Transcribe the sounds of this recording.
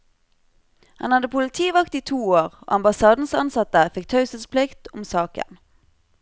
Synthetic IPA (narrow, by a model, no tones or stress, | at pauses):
hɑ̰nhɑd̪əpʰʊlət̪ʰiːʋɑkt̪iːt̪ʰuːoːʁo̰ːɑmbɑsɑːd̪n̩sɑ̰nsɑt̪əfɪk̚t̪ʰɑʉsəspʰlɪkt̪ʊmsɑːkə̰n